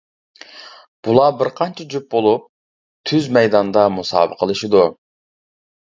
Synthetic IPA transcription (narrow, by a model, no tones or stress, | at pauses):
b̥ulˠɑbɪɾqʰɑnt͡ʃʰɛd͡ʒyp̚bolˠup̚ | t̪ʰyzmɛjd̪ɑnd̪ɑmusɑ̰ːbə̰qʰəlˠɨʃid̪u